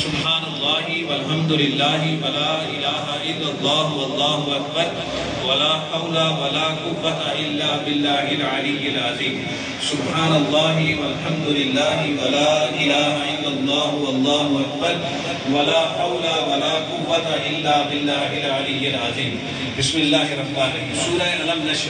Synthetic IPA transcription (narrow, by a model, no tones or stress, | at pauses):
sʊbħaːnɐlˤːɑːɦɪwɐlɦɐmd̪ʊlɪlːaːɦɪwɐlaːʔɪlaːɦaʔɪlːɐlˤːɑːɦʊɐlˤːɑːɦʊɐk̚bɐɾ | wɐlaːħɐwlawɐlaːqʊwːɐt̪aʔɪlːaːbɪlːaːɦɪlʕalɪjːɪlʕaziːm | sʊbħaːnɐlˤːɑːɦɪwɐlħɐmd̪ʊlɪlːaːɦɪwɐlaːʔɪlaːɦaʔɪlːɐlˤːɑːɦʊɐlˤːɑːɦʊɐk̚bɐɾ | wɐlaːħɐwlawɐlaːqʊwːɐt̪aʔɪlːaːbɪlːaːɦɪlʕalɪjɪlɐziːm | bɪsmɪlːaːɦɪɾˤɐfbaːnɐiːmsuːɾaeɐlɐmnɐʃ